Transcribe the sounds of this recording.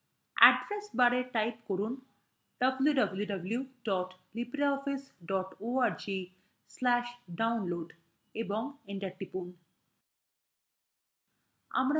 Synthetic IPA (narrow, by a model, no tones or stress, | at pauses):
ɛ̰ɖɾesbaɾeʈajpkɔɾuːn | ɖ̥əbljuɖəbljuɖəbljuɖɔʈ | libɾaɔfisɖɔʈoaɾd͡ʑi | slæʃɖaunloɖ | ebɔŋɡẽɳʈaʈːipuːn | a̰mɾa